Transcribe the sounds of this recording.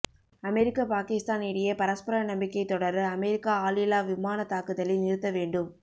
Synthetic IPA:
ɐmɛɾɪkːapaːkɪst̪aːnɪɽɪjɐpɐɾɐspɐɾɐnɐmbɪkːɐɪt̪ːɔɽɐɾɐmɛɾɪkːaaːlɪlaːʋɪmaːnɐt̪aːkɯðɐlɪnɪɾɯt̪ːɐʋeːɳɖɯm

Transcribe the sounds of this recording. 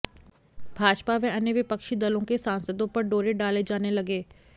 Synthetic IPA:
bʱaːd͡ʒpaʋɛ̃ɐnjəʋɪpəkʃid̪ɐlõkesãːnsəd̪õpɐɾɖoːɾeɖaːled͡ʒaːnelɐɡeː

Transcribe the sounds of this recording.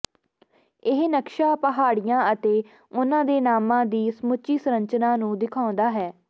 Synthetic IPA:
ɪɦnəkʃaːpəɦaːɽɪjãːət̪eː | ʊnãːd̪eːnaːmãːd̪iːsmʊt͡ʃiːsɾə̃ɲt͡ʃnãːnũːd̪ɪkʰaːʊ̃nd̪aːɦɛː

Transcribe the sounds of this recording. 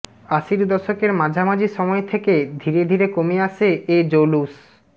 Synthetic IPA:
aʃiɾd̪ɔʃokeɾmãd͡ʑʱamad͡ʑiʃɔmɔet̪ʰeked̪ʱiɾed̪ʱiɾekomeaʃeed͡ʑowlus

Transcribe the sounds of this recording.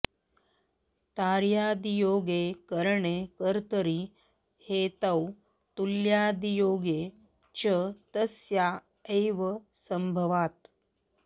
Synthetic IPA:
t̪aːɾjaːd̪ijoːɡekəɾɳekəɾt̪əɾi | het̪aw | t̪uljaːd̪ijoːɡe | t͡ʃət̪əsja | əjʋə | səmbʱəʋaːt̪

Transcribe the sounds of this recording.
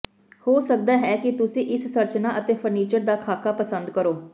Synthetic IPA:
hoːsək̚d̪aːɦɛːkɪt̪ʊsĩːʔɪssəɾt͡ʃnaːʔət̪eːpʰəɾniːt͡ʃəɾd̪aːkʰaːkaːpəsə̃nd̪kəɾoː

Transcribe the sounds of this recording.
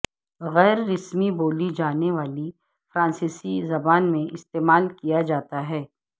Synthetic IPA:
ɣɛːɾːɪsmiboːlid͡ʒaːneʋaːli | fɾãːnsiːsizɐbaːnmẽɪst̪eːmaːlkijad͡ʒaːt̪aɦɛː

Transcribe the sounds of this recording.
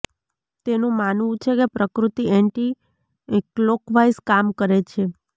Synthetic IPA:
t̪enũmanʋũt͡ʃʰekepɾəkɾut̪iɛɳʈi | klokʋajskamkəɾet͡ʃʰe

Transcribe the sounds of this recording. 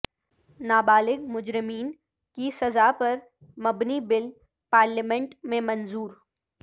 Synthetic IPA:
naːbaːlɪɡmʊd͡ʒɾɪmiːn | kisɐzaːpɐɾ | mɐbnibɪl | paːɾləmɛ̃ɳʈmẽmɐnzuːɾ

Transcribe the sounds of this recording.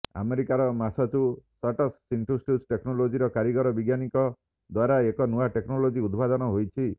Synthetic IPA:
a̰meɾikaɾɔmasɔt͡ʃusaʈɔsːiɳʈɾusʈusʈeknɔlod͡ʒiɾɔkaɾiɡɔɾɔbiɡjanikɔ | d̪waɾaekɔnuaʈeknɔlod͡ʒiud̪bad̪ɔnɔɦojt͡ʃʰi

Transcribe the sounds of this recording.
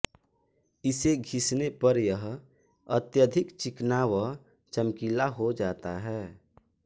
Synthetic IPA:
ɪseɡʱɪsnepəɾjəɦ | ət̪jəd̪ʱɪkt͡ʃɪknaːʋə | t͡ʃəmkiːlaɦod͡ʒaːt̪aɦɛː

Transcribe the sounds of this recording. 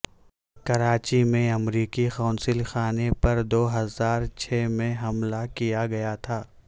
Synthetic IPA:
kɐɾaːt͡ʃimẽɐmɾiːkixaːnsɪlxaːnepɐɾd̪oːɦɐzaːɾt͡ʃʰeːmẽɦɐmlakijaɡɐjat̪ʰaː

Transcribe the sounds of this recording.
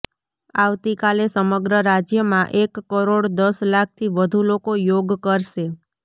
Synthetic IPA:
aʋt̪ikalesəməɡɾəɾad͡ʒjəmãʔekːəɾoɽd̪əslak̚ʰt̪ʰiʋəd̪ʱulokojoɡkəɾʃe

